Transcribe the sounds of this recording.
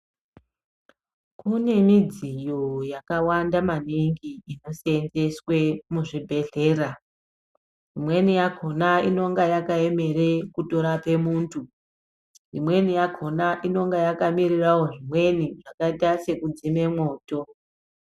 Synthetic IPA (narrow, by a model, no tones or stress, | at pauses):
kune̞mid͡zijojakawandamaniŋɡiino̞senze̞swe̞muʐibʱe̞ɮe̞ːra | imwe̞nijakʰo̞naino̞ŋɡajakae̞me̞ɾekuto̞ɾape̞muːntʰu | ʐimwe̞nijakʰonaʔino̞ŋɡajakamirirawo̞ʐimwe̞niʐakaitase̞kud͡zime̞mwo̞ːto̞